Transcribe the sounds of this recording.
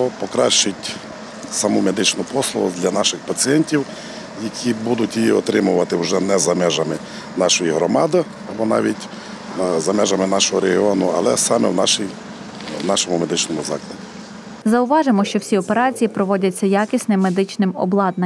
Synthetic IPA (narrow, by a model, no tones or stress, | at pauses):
ɔpɔkɾɑʃt͡ʃɪtʲ | sɐmumed̪ɪt͡ʃnʊpɔslˠɔ̰ʊ̰d̪lʲɐnɑʃɪxpɐt͡sʲijɛnʲtʲiw | jɐkʰibud̪ʊtʲjiɔ̰t̪ɾɪmʊʋɐt̪ɪwʒɛnɛzɐmɛʒɐmɪ | nɑʃɔjiɦɾɔmɑd̪ɪ | ɐbɔnɑ̰ʋʲitʲ | zɐmɛʒɐmɪnɑʃɔɦɔɾeɦiɔnʊɐ̰lˠɛsɑmɛ̰wnɑʃij | wnɑʃɔmʊmed̪ɪt͡ʃnɔmʊzɑ̰klˠɐdʲi | zɐʊʋɑʒemɔʃt͡ʃɔwsʲiɔpeɾɑt͡sʲijipɾɔʋɔdʲɐt͡sʲːɐjakʲɪsʲnɪmːed̪ɪt͡ʃnɪmɔ̰blˠɑd̪nɐ